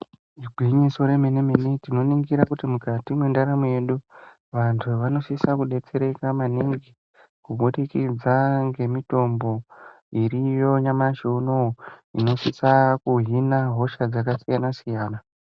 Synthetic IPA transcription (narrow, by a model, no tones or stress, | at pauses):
iɡʱwiɲiso̞ɾe̞menemenitino̞niŋɡiɾakutimukatimwe̞ndaɾamuje̞ɗu | ʋantʰuʋano̞sisakuɗe̞t͡se̞ɾe̞kamaniŋɡi | kuɓuɗikid͡zaŋɡe̞mito̞mbo̞ | iɾijo̞ɲamaʃeunoḭno̞sisakuɦinaɦo̞ʃad͡zakasijanasijaːna